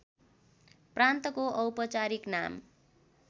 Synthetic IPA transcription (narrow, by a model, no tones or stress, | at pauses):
prant̪ʌkoʔʌwpʌt͡saɾikna̰m